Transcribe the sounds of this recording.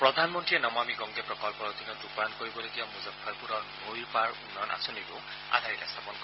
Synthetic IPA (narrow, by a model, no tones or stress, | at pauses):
pɹɔd̪ʱanmɔntɹienɔmamiɡɔŋɡepɹɔkɔlpɔɾɔd̪ʱinɔdupankɔɹibɔloɡibamuzapʰːaɹpuɾɔnojɹpaɹunːɔjnʔa̰sʰɔniɾu | a̰d̪ʱaɾitast̪ʰapɔnkɔ